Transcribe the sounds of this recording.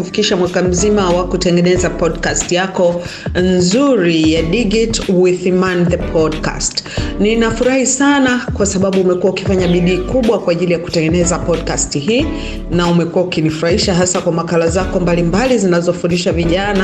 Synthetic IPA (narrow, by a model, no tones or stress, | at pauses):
ufi̥kiʃamwakam̩zimawakutɛŋɡɛnɛzapɔdkastijakɔ | nzuɾijaɗiɡitwiθimanðɛpʰɔdka̰stninafuɾahisanakwasaɓaɓuːmɛkuwauki̥faɲaɓiɗiːkuɓwakwaːʄilijaku̥tɛŋɡɛnɛzapɔdkastiɦiː | naumɛkuwaukinifuɾaiʃaɦasakwamakalazakɔmbalimbalizinazɔfundiʃaviʄana